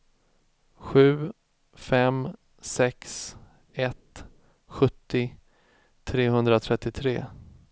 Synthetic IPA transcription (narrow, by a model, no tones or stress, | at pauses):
ɧʉ̟ː | fɛm | sɛks | ɛt̪ | ɧɵt̪ːɪ | t̪ʰɾeːɦɵnd̪ɾat̪ʰɾɛt̪ːɪt̪ʰɾḛː